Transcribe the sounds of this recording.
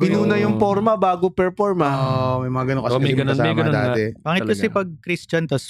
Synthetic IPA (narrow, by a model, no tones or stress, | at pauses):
ɡɪnuːnɐjʊŋpoɾmɐbaːɡopɛɹfoɹmɐomɐjmɐŋaɡɐnoŋkɐomɐjɡɐnoamɐjɡɐnod̪aːt̪ɛb̥aːŋɪt̪kɐsɛpɐɡ̚kɾist͡ʃɐnt̪ɐs